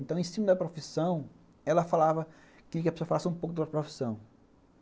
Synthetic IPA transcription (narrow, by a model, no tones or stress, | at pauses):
nt̪ɐ̃w̃ẽsĩmɐd̪ɐpɾofisɐ̃w̃ | ɛlɐfalavɐ | kɪk̬ɐpesoɐfalasɪũpowkʊd̪ɐɾpɾofi̥sɐ̃w̃